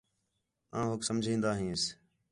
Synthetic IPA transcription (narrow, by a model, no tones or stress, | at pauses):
ãːɦoksəmd͡ʒʱĩːnd̪aːɦĩːɪs